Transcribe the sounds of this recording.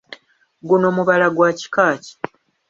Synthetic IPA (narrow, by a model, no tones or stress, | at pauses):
ɡuno̞muβalaɡwaːci̥kaːci̥